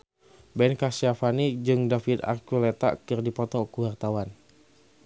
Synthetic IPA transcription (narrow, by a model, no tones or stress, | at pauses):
bɛnkasafanid͡ʒɨŋdafid̪a̰kulɛt̪a̰kɨrdipɔt̪ɔkuwart̪awan